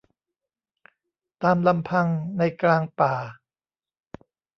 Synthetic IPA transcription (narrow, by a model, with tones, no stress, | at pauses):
t̪aː˧mla˧mpʰa˧ŋna˧jklaː˧ŋpaː˨˩